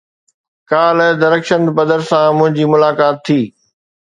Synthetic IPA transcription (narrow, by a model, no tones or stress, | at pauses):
kaːlɛd̪ɐɾəkʃə̃nd̪pɐd̪əɾsãmʊ̃ɦɪ̃ɲd͡ʑiːmʊlaːkaːt̪ʰːiː